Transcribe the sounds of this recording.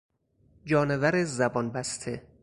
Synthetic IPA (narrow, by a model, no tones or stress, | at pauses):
d͡ʒɒːnevæɾezæbɒnbæst̪ʰe